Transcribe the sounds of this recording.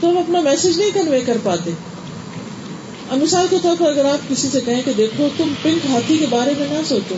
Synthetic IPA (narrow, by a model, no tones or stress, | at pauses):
t̪oɦɐmɐpnamɛːsed͡ʒnɐɦĩkɐnʋekɐɾpaːt̪eː | ɐmɪsaːlket̪ɔːɾpɐɾɐɡəɾaːp̚kɪsisekɐɦẽked̪eːkʰot̪ʊmpɪ̃ŋkɦaːt̪ʰikebaːɾemẽnɛ̃soːt͡ʃoː